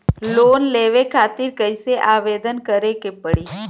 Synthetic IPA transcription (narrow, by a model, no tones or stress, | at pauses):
loːnleːʋekʰaːt̪ɪɾkəɪseʔaːʋeːd̪ənkəɾekepəɽiː